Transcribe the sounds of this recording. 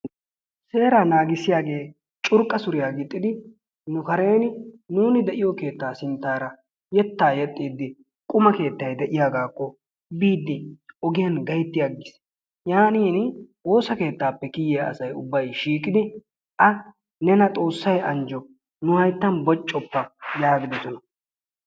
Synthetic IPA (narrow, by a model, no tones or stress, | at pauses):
se̞ːɾɐnaːɡɪsɪjaːɡe̞ː | t͡ʃʼʊɾkʼːɐsʊɾɪjaːɡɪt̪ʼːɪd̪ɪ | nʊkɐɾe̞ːnɪnuːnɪd̪ɛʔɪjɔke̞ːt̪ːaːsɪnt̪ːaːɾɐ | jɛt̪ːaːjɛt̪ʼːiːd̪ːɪ | kʼʊmɐke̞ːt̪ːɐjd̪ɛʔɪjaːɡaːkːɔ | biːd̪ːɪɔɡɪjɐnɡɐjt̪ːɪjaɡɪs | jaːniːnwo̞ːsɐke̞ːt̪ːaːpːɛkɪjɛɐ̰sɐjʊbːɐjʃiːkʼɪd̪ɪ | ʔɐ | nɛnɐt̪ʼo̞ːsːɐjɐnd͡ʒɔ | nʊhɐjt̪ːɐnbɔt͡ʃʼːɔpːɐjaːɡɪd̪ɔsɔnɐ